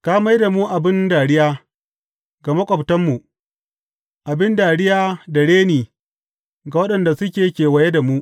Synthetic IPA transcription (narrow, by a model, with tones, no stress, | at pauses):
kaː˦ma˦jda˨mu˦ʔa˨bɪ˦ndaː˨ɽɪ˦jaː˦ | ɡa˨mɐ˦kʷʼɔ˨btɐ˦mːu˨ʔ | ʔa˨bɪ˦ndaː˨ɽɪ˦jaː˦da˨ɽeː˦niː˨ | ɡa˨wɐ˦ɗɐ˨nda˨sʊ˦kʲeː˨kʲeː˨wɐ˨je˦da˨mu˦ʔ